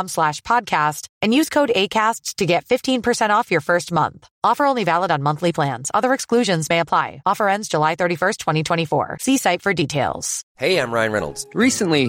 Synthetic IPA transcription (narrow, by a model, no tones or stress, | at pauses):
mslæʃpʰɑd̚kʰæstɨ̃njʉz̥kʰoʊɾeɪkʰæststʰɨɡɛtfɪftʰĩnpʰə˞sɛ̃ɾ̃tɔfjə˞fɜ˞st̚mʌ̰̃nθ | ɔfə˞õʊ̃nlivælˠəɾn̩mʌ̃nθlipʰl̥æ̃nz̥ʌ̰ðə˞ɨksklʉʒɨ̃nzmeɪəpʰl̥aɪɔfə˞ɛ̃ndzd͡ʒəlaɪθɜ˞ɾifɜ˞stʰw̥ɛ̃ɾ̃itʰw̥ɛ̃ɾ̃ifɔ̰ɹsisaɪtfə˞ditʰeɪlˠz̥heɪãɪ̃mɹaɪ̃nɹɛ̰nl̩ˠdz̥ɹisɨ̃nli